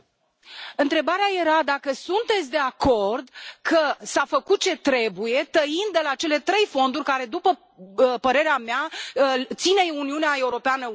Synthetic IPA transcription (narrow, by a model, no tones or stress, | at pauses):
ɨnt̪ɾe̞baɾeaje̞ɾad̪akəsunt̪e̞t̪sʲd̪e̞ako̞rd̪kʰəsafəkut̪̚t͡ʃe̞t̪ɾe̞buje̞t̪əind̪̚d̪e̞lat͡ʃe̞le̞t̪ɾe̞jfo̞nd̪urʲkaɾe̞d̪upə | pəɾe̞ɾeamea | t̪sineuniuneae̞uɾo̞peanə